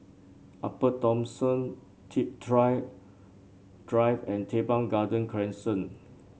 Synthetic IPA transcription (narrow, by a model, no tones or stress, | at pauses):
ʔapətɔ̃msə̃n | tʰidɹa | d̥ɹajvɛ̃ntʰebãŋɡadə̃nkʰɹɛ̃nsə̃n